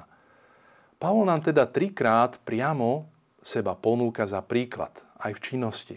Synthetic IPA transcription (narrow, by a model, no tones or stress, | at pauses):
palɔnaːmt̪ɛd̪at̪ɾikɾaːt̪pɾɪamɔ | sɛbapɔnuːkazapɾiːkla̰t̪ | ajft͡ʃinːɔscḭ